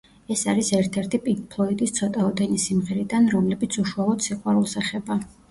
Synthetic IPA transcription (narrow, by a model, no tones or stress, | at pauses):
ɛsaɾisɛɾt̪ʰɛɾt̪ʰipʼikpʰlˠɔid̪ist̪sʰɔt̪ʼaɔd̪ɛnisimʁɛɾid̪anɾɔmlɛbit̪sʰuʃualˠɔd̪̥siqʼwaɾulˠsaχɛba